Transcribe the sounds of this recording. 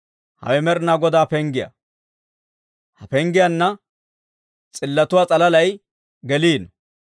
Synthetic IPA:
hɐ̰wɛmɛɾnaːɡɔd̪aːpɛŋɡɪjɐ̰ | hɐpɛŋɡɪjɐnːɐ | t͡sʼɪlːɐt̪ʊwaːt͡sʼɐlɐlɐj | ɡɛliːn

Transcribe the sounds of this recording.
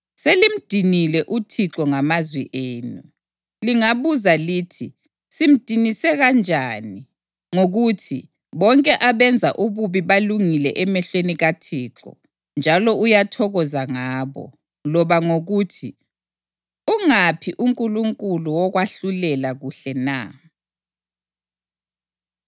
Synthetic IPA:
selim̩d̥ʱinilɛʔutʰiǁɔŋamazwḭʔeːnu | liŋaβuzaliːtʰi | sim̩d̥ʱinisɛɣand͡ʒʱaːni | ŋoɣutʰḭ | βɔŋkʼɛʔaβɛnd͡zʱaʔuβuβiβaluŋilɛʔɛmɛɬweniɣatʰiːǁɔ̰ | nd͡ʒʱalɔujatʰɔɣɔzaŋaːβɔ̰ | lɔβaŋoɣutʰi | uŋapʰiʔuŋkʼuluŋkʼuluwɔɣwaɬulɛlaɣuɬɛna̰

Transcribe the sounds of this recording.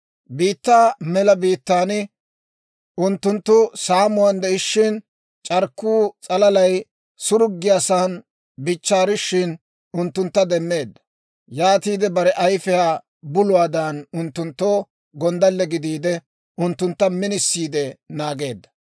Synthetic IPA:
biːt̪ːaːmɛlɐbiːt̪ːaːnɪ | ʊnt̪ːʊnt̪ːʊsaːmʊwand̪ɛɪʃːɪn | t͡ʃʼɐɾkːuːt͡sʼɐlɐlɐj | sʊɾʊɡːɪjaːsaːn | bɪt͡ʃːaːɾɪʃːɪn | ʊnt̪ːʊnt̪ːɐd̪ɛmːe̞ːd̪ːɐ̥ | jaːt̪iːd̪ɛbɐɾɛʔɐjfɛjaː | bʊlʊwaːd̪ɐnʊnt̪ːʊnt̪ːo̞ː | ɡɔnd̪ɐlːɛɡɪd̪iːd̪ɛ | ʊnt̪ːʊnt̪ːɐmɪnɪsːiːd̪ɛnaːɡe̞ːd̪ːɐ

